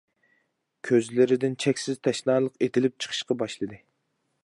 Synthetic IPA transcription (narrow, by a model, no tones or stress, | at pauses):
kʲʰøzlɪɾɪd̪ɪnt͡ʃʰɛkʲsɪz̥t̪ʰɛʃnɑːlˠəqet̪ʰɪlɪp̚t͡ʃʰə̥qʰə̥ʃqɑbɑʃlˠɨd̪ɨ